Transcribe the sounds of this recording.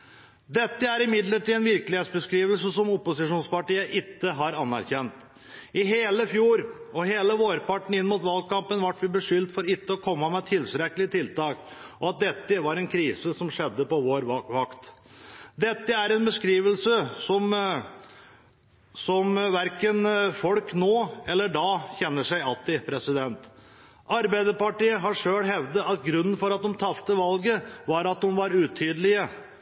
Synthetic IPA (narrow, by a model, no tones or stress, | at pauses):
d̪ɛt̪ːəæɾɪmɪd̪ləʈilɛnʋɪɾkəlɪheːt̪sbəskɾiːʋəlsəsɔmʊpʊsɪʂuːnspɑʈiːəʔɪt̪ːəɦɑɾɑnːæɾçɛnt̪ | ɪɦeːləfjuːɾɔɦeːləʋoːɾpɑʈɳ̩ɪnːmuːt̪ʋɑlkɑmpənʋɑʈːʋɪbəʂʏlt̪fɔɾɪt̪ːəɔkʰɔmːəmɛt̪ʰɪlsɾɛkːəlɪt̪ʰɪlt̪ɑːkʔɔɑt̪̚d̪ɛt̪ːəʋɑɾɛnkʰɾiːsəsɔmʂɛd̪ːəpɔʋoːɾʋɑkt̪ | d̪ɛt̪ːəæɾɛnbəskɾiːʋəlsəsɔm | sɔmʋæɾkənfɔlknoːɛlːəɖɑːçɛnːəʂæɪɑlt̪ɪpʰɾɛsɪd̪ɛnt̪ | ʔɑɾbæɪd̪əpɑʈiːəɦɑʂøːɽɦɛʋd̪əʔɑt̪ɡɾʉnːənfɔɾɑt̪̚d̪ʊmt̪ʰɑft̪əʋɑlɡəʋɑɾɑt̪̚d̪ʊmʋɑɾʉːt̪ʰyːd̪əlɪə